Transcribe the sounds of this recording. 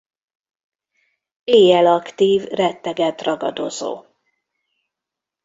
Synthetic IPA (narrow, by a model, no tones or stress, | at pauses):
eːjɛlɒkt̪iːvrɛt̪ːɛɡɛt̪rɒɡɒ̰d̪o̞zo̰ː